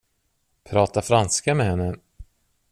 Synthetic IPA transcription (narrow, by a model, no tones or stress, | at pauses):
pʰɾɑːt̪afɾanskamɛhɛnːə